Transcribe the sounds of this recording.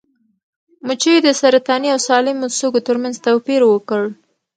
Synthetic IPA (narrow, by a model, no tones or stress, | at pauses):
mut͡ʃəjed̪əsaɾat̪ɑniawsɑlɪmosokot̪əɾmanzt̪awpiɾwəkəɭ